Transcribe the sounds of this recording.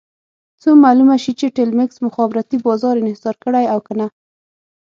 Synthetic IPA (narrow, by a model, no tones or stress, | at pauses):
t͡somalumaʃit͡ʃeʈɪlmɪksmʊxɑbɪɾat̪ibɑzɑɾɪnɪhsɑɾkəɽajawkəna